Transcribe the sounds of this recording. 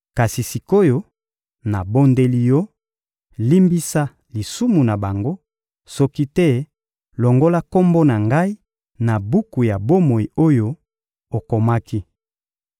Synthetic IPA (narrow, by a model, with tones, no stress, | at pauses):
ka˨si˨si˨ko˦jo˦ | na˨bo˦nde˦li˦jɔ˦ | li˦mbi˦sa˦ | li˨su˦mu˨na˨ba˨ŋɡo˦ | sɔ˦ki˦tɛ˦ | lɔ˨ŋɡo˦la˦ko˦mbo˦na˨ŋɡa˦i˦ | na˨bu˦ku˨ja˨bo˦mo˨i˨o˦jo˦ | o˨ko˨ma˦ki˦